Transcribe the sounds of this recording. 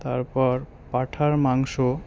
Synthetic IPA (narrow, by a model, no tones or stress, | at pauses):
t̪aɾpɔɾ | paʈʰaɾmaŋʃo